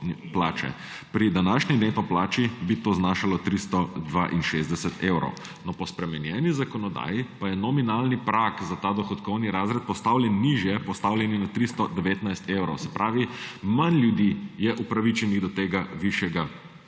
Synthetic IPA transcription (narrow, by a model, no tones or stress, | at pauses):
plaːt͡ʃɛ̰ | pɾid̪anaːʃnɛd̪enp̪ɔplaːt͡ʃibit̪oːznaʃalɔt̪ɾist̪ɔd̪ʋa̰ʔinʃezd̪ɛsɛt̪eːwɾɔ̰w | nɔpɔspɾɛmɛnjɛːnizakɔnɔd̪a̰ːjipajɛnɔminalnipɾaːkzat̪aːd̪ɔxɔt̪kɔwniɾaːzɾɛt̪̚pɔst̪awljɛnːiʒjɛpɔst̪aːwlʲjɛninat̪ɾist̪ɔd̪ɛʋeːt̪najst̪ewɾɔwsɛ̥pɾaːʋimanlʲjud̪iːjɛʔupɾaʋit͡ʃɛniɣd̪ɔt̪eːɡaʋiʃjɛɡa